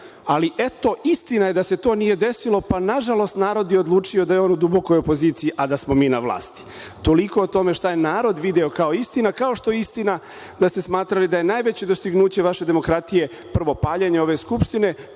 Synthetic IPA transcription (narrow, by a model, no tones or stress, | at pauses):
aliʔet̪o̞ʔist̪inaje̞d̪ase̞t̪o̞ːnije̞d̪e̞silo̞panaʒalo̞st̪naːɾo̞d̪jeod̪lˠuːt͡ʃio̞d̪ajeo̞nud̪ubo̞ko̞jo̞po̞ziːt̪sijiʔad̪asmo̞miːnaʋlˠa̰ːst̪i̥ | t̪o̞liko̞ot̪o̞me̞ʃt̪ajenaːɾo̞d̪ʋid̪eokao̞ist̪inakao̞ʃt̪o̞jeist̪ina | d̪ast̪e̞smaːt̪ɾalid̪aje̞najʋe̞t͡ɕe̞d̪o̞st̪iɡnuːt͡ɕe̞ʋaʃe̞d̪e̞mo̞kɾat̪ije̞ | pr̩ʋo̞paːʎeɲeo̞ʋe̞skupʃt̪ine̞